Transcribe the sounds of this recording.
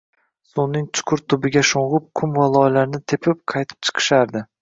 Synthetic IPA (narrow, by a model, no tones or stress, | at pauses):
sunːɪŋt͡ʃʰʊ̥qʰʊɾt̪ʰʊbɪɡʲaʃoɴʁʊp̚kʰʊmvalˠɒjlaɾnɪt̪ʰepʰɪp̚qʰɑjt̪ʰɪ̥p̚t͡ʃʰɨ̥qʰɨ̥ʃaɾd̪ɪ